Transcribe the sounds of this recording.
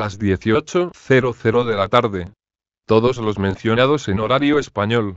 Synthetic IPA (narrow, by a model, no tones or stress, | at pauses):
lazðje̞θio̞t͡ʃoθeɾoθeɾoðe̞lat̪aɾðe̞ | t̪o̞ð̞o̞zlo̞zmẽn̟θjonað̞o̞senoɾaɾjoespaɲol